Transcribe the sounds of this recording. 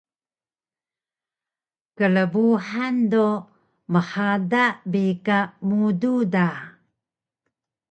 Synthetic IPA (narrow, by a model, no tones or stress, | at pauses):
kələbuħando | məħadabikamududa